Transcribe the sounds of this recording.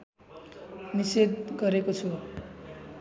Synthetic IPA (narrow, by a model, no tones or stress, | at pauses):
nised̪̚ɡʌɾekot͡sʰu